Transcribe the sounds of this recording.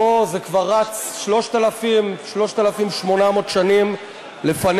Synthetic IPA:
ozekvaʁːat͡sʃlo̞ʃt̪alafimʃlo̞ʃt̪alafimʃmo̞namo̞tʃanim | lefan

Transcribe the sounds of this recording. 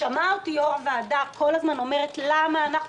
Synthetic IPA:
amautioʁaveadako̞lazmano̞me̞ʁetlamaːnaχ

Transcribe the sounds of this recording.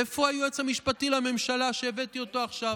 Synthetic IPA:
efoajue̞t͡shamiʃpatilame̞mʃalaʃeːvet̪io̞to̞aχʃav

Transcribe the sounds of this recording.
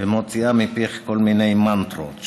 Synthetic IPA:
emot͡siamɪpeχkolmɪnajmant̪ɾo̰t͡ʃ

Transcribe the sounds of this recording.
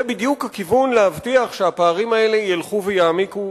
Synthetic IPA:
ebidjukhakivunlehavt̪iaχʃeapaːʁimae̞le̞jilχuvejaːmiku

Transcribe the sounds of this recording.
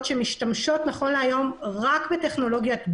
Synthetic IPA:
tʃemiʃtamʃo̞t̪naχo̞nleajo̞mʁakbeteχno̞lo̞ɡjatb

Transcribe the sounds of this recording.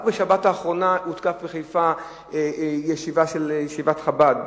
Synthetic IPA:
beʃabataːχʁo̞naut̪kafbeχajfa | ejeʃivaʃeljeʃivat̪χabad

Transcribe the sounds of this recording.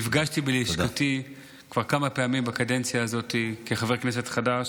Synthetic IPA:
ifɡaʃtibelikoti | kv̥aʁkamapeamimbakadent͡sjaːzo̞t̪ikeχaveʁknes̬etχadaʃ

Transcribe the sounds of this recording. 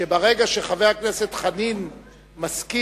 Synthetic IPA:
ebaʁe̞ɡaʃeχavejaknese̞t̪χanin | maski

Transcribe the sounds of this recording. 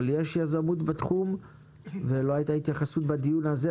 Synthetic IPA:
ljeʃjazamut̪bat̪χum | velo̞ɦajitait̪jaχasut̪bad̪ijunaze

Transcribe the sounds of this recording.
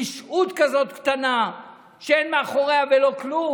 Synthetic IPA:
iʃut̪kazo̞t̪kt̪ana | ʃeenmeaχo̞ʁeavelo̞klu

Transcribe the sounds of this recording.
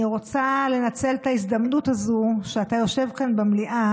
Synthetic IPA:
iʁo̞t͡sale̞nat͡se̞ltaisd̪amnutazuʃeatajo̞ʃe̞vkanbemliʔa

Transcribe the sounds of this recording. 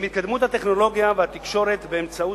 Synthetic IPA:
mit̪̚kad̪mut̪hat̪eχno̞lo̞ɡijavehat̪ikʃo̞ɾe̞t̪beːmt͡sau

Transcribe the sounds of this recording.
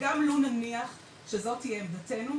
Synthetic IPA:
ɡamlonaniaχ | ʃezo̞tijemdate̞nu

